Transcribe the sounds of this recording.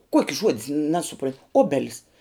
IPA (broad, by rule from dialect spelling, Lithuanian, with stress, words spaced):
ˈkuɔkʲɪ ˈʒuɔdʲɪs nʲɛsʊˈproːnʲ ˈoːbʲɛlʲɪs